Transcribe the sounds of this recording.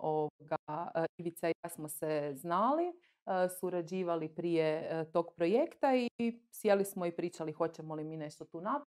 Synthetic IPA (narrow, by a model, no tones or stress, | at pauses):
ooɡaiʋit̪saasmoseznali | suɾad͡ʑiːʋalipɾijet̪o̞ːɡpɾo̞jekt̪aisjelismoipɾiːt͡ʃalixo̞t͡ɕemolimine̞ʃt̪ot̪uːnap